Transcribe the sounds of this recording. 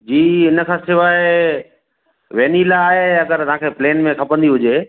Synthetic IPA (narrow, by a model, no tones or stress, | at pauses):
d͡ʑiːɪnə̆kʰãːsɪʋaːɪ | ʋeːnilaːɦeɐɡəɾt̪ɐãːkʰepleːnmẽkʰɐpə̃nd̪iɦʊd͡ʑeː